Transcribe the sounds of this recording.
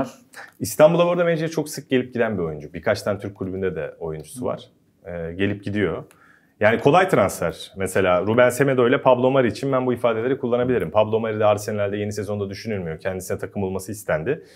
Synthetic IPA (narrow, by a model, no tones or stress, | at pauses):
ist̪ʰanbulˠabuɾd̪amed͡ʒiɛt͡ʃʰo̞ksɯk̚ɟ̥e̞lʲip̚ɟid̪ænbio̞jund͡ʒubiɾkʰat͡ʃt̪ʰant̪ʰyɾc̚ʰːulʲybynd̪ɛd̪ɛ̰o̞jund͡ʒu̥suva̰ɾ̥ | ɯːɟe̞lʲip̚ɟid̪ijo̞ | jaːnikʰo̞lˠajt̪ʰɾanslæɾ̥mese̞lʲaːɾubænse̞me̞d̪o̞jlʲɛpʰablˠo̞maɾiːt͡ʃʰinbænbuifaːd̪eeɾikʰulˠːanabilʲiɾimpʰablˠomaɾid̪ɛaɾsenlʲæɾd̪ɛje̞nise̞zo̞nd̪ad̪yʃynyɾmijo̞cʰɛnd̪isinɛt̪ʰakʰɯmulˠmasɯist̪ʰænd̪ɪ